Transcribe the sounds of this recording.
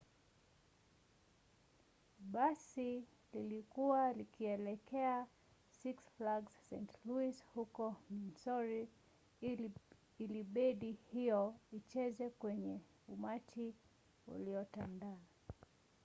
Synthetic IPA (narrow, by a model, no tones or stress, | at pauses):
ɓasi | lilikuwalikiɛlɛkɛa | siksflaɡssɛ̃ntluishukɔminsɔɾi | iliɓɛɗihijɔit͡ʃɛzɛkwɛɲɛ | umat͡ʃi | ṵliɔtandaː